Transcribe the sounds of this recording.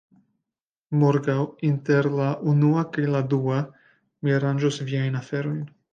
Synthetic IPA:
moɾɡawinte̞ɾlaʔunuakajladua | miaɾand͡ʒosviajnafe̞ɾo̞jn

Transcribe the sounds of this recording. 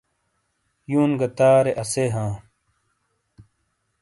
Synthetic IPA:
juːnɡɐt̪aːɾeʔɐseɦãː

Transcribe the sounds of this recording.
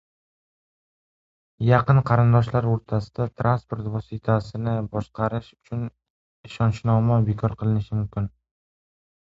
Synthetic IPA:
jɑqɨnqʰɑɾɪnd̪ɒʃlaɾoɾt̪ʰasɪ̥d̪at̪ʰɾʔanspo̞ɾt̪vɒsɪt̪ʰasɪnɪbɒʃqʰɑɾɪʃʊ̥t͡ʃʰʊn | ɪʃɒnʃnɒmabekʰɒɾqʰɨlˠɪnɪʃɪmʊmkʲɪn

